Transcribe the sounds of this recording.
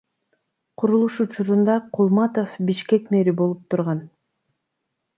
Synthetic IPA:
qʰuɾulˠuʃut͡ʃuɾund̪ɑqʰulˠmɑt̪ofbiʃke̞kme̞ɾibo̞lˠup̚t̪ʰuɾʁɑn

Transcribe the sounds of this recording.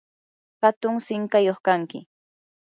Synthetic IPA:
hat̪ʊŋsɪŋkajoχkaŋkɪ

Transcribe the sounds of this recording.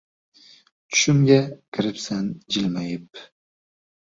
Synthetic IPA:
t͡ʃʰʊ̥ʃɪmɡʲakʲʰɪɾɪpsand͡ʒɪlmajɪp̚

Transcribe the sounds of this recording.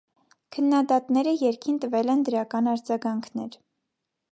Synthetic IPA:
kʰənːɑd̪ɑt̪nɛɾəjɛɾkʰint̪əvɛlɛnd̪əɾɑkɑnɑɾd͡zɑɡɑŋkʰnɛɾ

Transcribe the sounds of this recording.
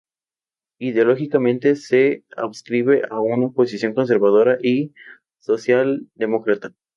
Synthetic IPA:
iðeo̞loxikamẽnt̪e̞sea̰βskɾiβe̞ʔaunaopo̞sisjo̞ŋko̞ns̬e̞ɾβað̞o̞ɾaʔi | so̞sjald̪e̞mo̞kɾat̪ḁ

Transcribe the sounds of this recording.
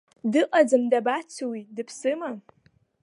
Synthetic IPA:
dɨʔʼad͡zɨmdabat͡sʰɨwidɨpʰsɨma

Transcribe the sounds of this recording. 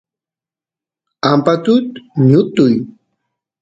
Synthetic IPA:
ampat̪ʊt̪ɲʊt̪ʊj

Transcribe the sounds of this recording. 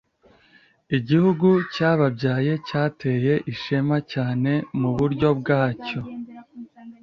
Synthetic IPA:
iɟihuɡucaːβabɟaːje̞caːtʰe̞ːje̞ʔiʃemacaːne̞muβuɾɟo̞bɡaːco̞

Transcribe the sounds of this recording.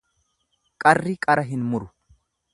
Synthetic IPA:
kʼɐrːikʼɐɾɐɦɪnmʊɾʊ

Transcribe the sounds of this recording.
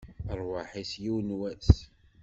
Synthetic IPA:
əɾˤwaħisjiwnwæs

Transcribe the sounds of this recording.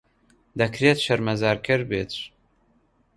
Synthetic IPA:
d̪ɐkʰɾeːt̪ʃɐɾmɐzaːɾkʰɨɾbeːt̪

